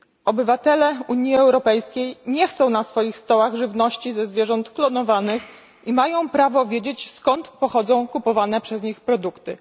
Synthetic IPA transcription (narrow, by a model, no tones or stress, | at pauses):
ɔbɘvat̪ɛlɛuɲiɛwɾɔpɛjskʲejɲɛxt̪sɔ̃w̃nasfɔjixst̪ɔwaɣʐɘvnɔɕt͡ɕizɛzvʲjɛʐɔnt̪klɔnɔvanɘx | imajɔ̃w̃pɾavɔvʲjed͡ʑet͡ɕskɔnt̪pɔxɔd̪zɔ̃w̃kupɔvanɛpʂɛzɲixpɾɔd̪ukt̪ɘ̰